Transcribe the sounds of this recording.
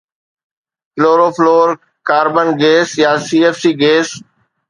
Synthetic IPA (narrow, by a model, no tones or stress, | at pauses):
floːɾoːfloːɾ | kaːɾbənɡeːsjaːsiːeːfsiːɡeːs